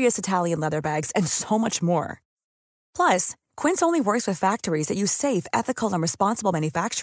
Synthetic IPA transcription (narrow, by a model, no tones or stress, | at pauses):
iɨsɨtʰælˠjɨ̃nlɛðə˞bæɡz̥ɨ̃nsoʊmʌt͡ʃmɔ̰ɹ | pʰl̥ʌs | kʰw̥ɪ̃nsõʊ̃nliwɜ˞kswɨð̥fæk̚tə˞izðɨʔʉz̥seɪfɛ̰θɨkʰl̩ˠə̃nɹɨspɑ̃nsəblˠmæ̃njɨfæk̚t͡ʃ